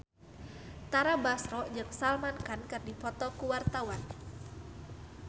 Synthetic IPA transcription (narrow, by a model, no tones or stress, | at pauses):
t̪aɾabasɾɔʔd͡ʒɨŋsalmankankɨrdifɔt̪ɔkuwart̪awan